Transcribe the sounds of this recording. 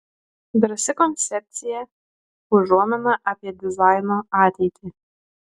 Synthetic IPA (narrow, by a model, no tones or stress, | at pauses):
d̪ɾɐsʲɪkɔnʲt̪sʲɛp̚ʲt̪sʲɪjɛ | ʊʒuɔmʲɐmɐʔɐpʲiɛd̪ʲɪzɑɪnoːɑːt̪ʲɛɪt̪ʲʰɪ